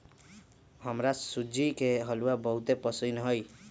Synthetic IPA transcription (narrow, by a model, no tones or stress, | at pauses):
ɦəmɾasud͡ʒikeɦʌluabəɦut̪epəsunɦoj